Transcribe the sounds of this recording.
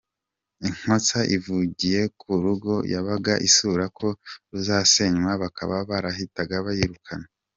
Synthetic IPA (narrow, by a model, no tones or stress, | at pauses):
iŋ̥ho̞t͡saʔivuɟije̞kʰuɾuɡo̞jaβaɡaʔisuɾakʰo̞ɾuzaːse̞ɲwaβaka̰βaβaɾahitaɡaβajiɾukʰana